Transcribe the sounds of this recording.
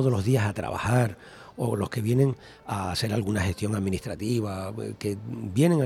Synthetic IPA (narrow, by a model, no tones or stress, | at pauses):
oðolo̞zðiasat̪ɾa̰βa̰haɾ | olo̞shke̞βje̞nẽ̞ŋ | ase̞ɾalɣunahe̞st̪jo̞ŋaðmĩniht̪ɾat̪iβ̞ake̞bje̞nẽ̞ŋa